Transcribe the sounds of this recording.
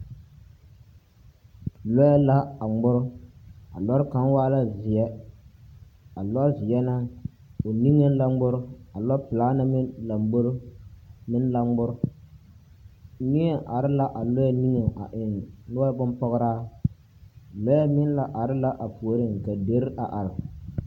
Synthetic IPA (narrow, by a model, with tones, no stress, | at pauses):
lɔ˦jɛ˦la˦a˨ɡ͡bʊ˦ɾʊ˦a̰˨lɔ˦ɾka˦n˦waː˦la˦zɪ˨ɛ˦ | a˨lɔ˦zɪ˨jɛ˦na˦ | o˨ni˦ŋe˦n˦la˦ɡ͡bʊ˦ɾʊ˦a˨lɔ˦pɪ˨laː˦na˦mɪ˦la˨m˦ɡ͡bo˦ɾmɪ˦n˦la˦ŋ͡mɡ͡bʊ˦ɾʊ˦ | ni˦ɛ˦ʔa˨ɾɪ˦la˦ʔa˨lɔ˦jɛ˦ni˦ŋa˨a̰˨ʔɪ˨nnʊ˦a˦bʊ˦mpɔ˦ɣɾaː˦ | lɔ˦ja˦mɪ˦n˦la˨ʔa˨ɾɪ˦la˦ʔa˨pu˨o˨ɾɨ˦˨ŋ˨ka˨de˦ɾɪ˦ʔa˨ʔa˨ɾɪ˨